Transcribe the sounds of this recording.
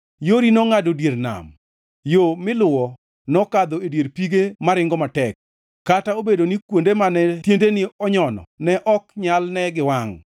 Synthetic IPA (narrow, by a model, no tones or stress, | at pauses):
joɾinɔŋadodjeɾna̰m | jomɪlʊwɔ | nɔkad̪oedjeɾpiɡemaɾɪŋɡɔmatɛk̚ː | ataobedonikwondemanɛtjendenɪɔɲɔnɔ̰nɛʔɔkɲalnɛɡɪwaŋ